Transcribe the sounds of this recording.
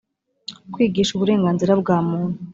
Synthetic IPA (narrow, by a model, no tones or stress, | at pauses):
kwiːɡiːʃuβuɾe̞ːŋɡaːnziɾabɡaːmuːn̥u